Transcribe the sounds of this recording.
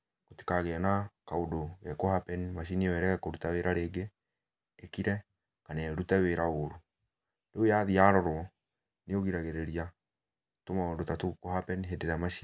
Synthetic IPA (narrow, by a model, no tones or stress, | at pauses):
ɣoti̥kaɣɛnakaodoɣɛkohapɛnimaʃ̬iniwɛɾɛɣɛkoɾutaweɾaɾeːɡeː | kiɾɛ | kanɛɾutɛweɾaoɾo | deojaðiaɾɔɾwɔ | neoɣiɾaɣeɾeɾia | tomaodotatukohapɛnɦedeɾamaʃi